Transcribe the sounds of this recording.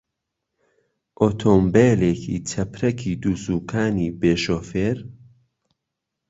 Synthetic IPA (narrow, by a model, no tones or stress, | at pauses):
ʔoːt̪ʰoːmbeːleːkʰḭt͡ʃʰɐpɾɐkʰiːd̪uːsuːkʰaːniːbeːʃoːfeːɾ